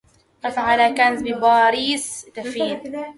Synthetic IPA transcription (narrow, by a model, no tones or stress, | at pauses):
afaʕalakanzbɪbɑːɾiːst̪afiː